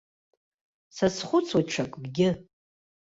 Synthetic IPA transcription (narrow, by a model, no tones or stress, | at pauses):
sasχʷʊt͡sʰwaʈ͡ʂʰakʼɡɡʲɪ